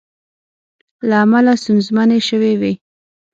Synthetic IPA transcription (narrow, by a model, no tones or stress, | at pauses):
laːmalast̪unzmaneʃəwewe